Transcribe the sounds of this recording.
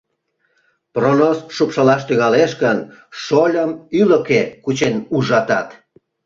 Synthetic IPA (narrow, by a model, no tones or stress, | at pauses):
pronosʃupʃəlɑʃt̪yɣɑleʃkənʃolʲəmyləkekut͡ɕenuʒɑt̪ɑt̪